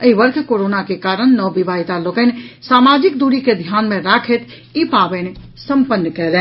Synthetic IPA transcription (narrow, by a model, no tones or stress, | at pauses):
əibəɾk̪ʰkoɾonakekaɾənːəbibʱaɦit̪alokənsamad͡ʒik̚d̪uɾiked̪ʱjanmẽɾakʰət̪ | ipabənesəmpənːkɛlɛ